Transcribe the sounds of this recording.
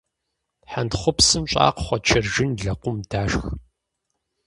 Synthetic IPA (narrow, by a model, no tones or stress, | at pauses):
ħandχʷʊpsɨmɕʼa̰ːqχʷɔt͡ʃʰɐrʒɪnɮɐqʷʊmd̥aːʃx